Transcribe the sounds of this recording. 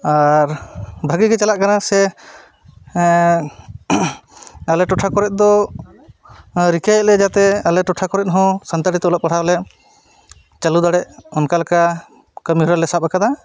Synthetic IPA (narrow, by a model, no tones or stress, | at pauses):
aɾbʱəɡikɛt͡ʃalaʔkanasɛ | alɛʈɔʈʰakɔɾɛt̪̚ˀd̪ɔ | ɾikajɛlɛd͡ʒat̪ɛalɛʈɔʈʰakɔɾɛt̪̚ɦɔ̃sant̪aɽit̪ɛɔlɔp̚aɽ̤alɛ | t͡ʃalud̪aɽɛʔɔnkalka | kəmiɦɔɾalɛsap̚akad̪a